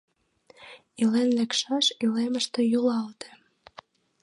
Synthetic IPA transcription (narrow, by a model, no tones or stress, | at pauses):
ilenlekʃɑʃileməʃt̪ejulɑlt̪e̥